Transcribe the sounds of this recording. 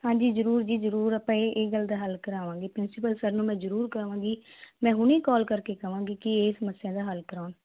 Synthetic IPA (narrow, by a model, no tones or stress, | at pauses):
hãːd͡ʒiːzəɾuːɾd͡ʒiːzəɾuːɾəpãːeʔeːɡəld̪aːɦəlkəɾaːʋãːɡeːpɾɪnsɪpəlsəɾnũːmɛ̃ːzəɾuːɾkəɾʋãːɡiːmɛ̃ːɦʊniːkɔːlkəɾkeːkəʋãːɡiːkɪeːsəməsːjãːd̪aːɦəlkəɾaːn